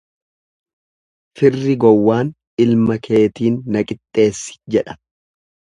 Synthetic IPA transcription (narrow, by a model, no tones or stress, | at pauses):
fɪrːɪɡɔwːaːn | ɪlmɐkʰe̞ːt̪iːnːɐkʼɪt̪ʼːe̞ːsːɪ̥d͡ʒɛᶑɐ̥